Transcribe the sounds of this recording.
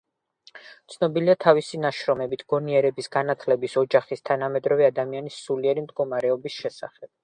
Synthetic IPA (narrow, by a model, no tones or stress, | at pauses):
t̪sʰnɔbiliat̪ʰavisinaʃɾɔmɛbit̪ʰɡ̥ɔniɛɾɛbisɡ̥anat̪ʰlɛbisɔd͡ʒaχist̪ʰanamɛd̪ɾɔvɛad̪amianisuliɛɾimd̪ɡɔmaɾɛɔbisʃɛsa̰χɛb̥̚